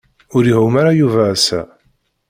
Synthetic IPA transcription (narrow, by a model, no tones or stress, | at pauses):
ʊɾiɦumaɾajuvæːsæ̰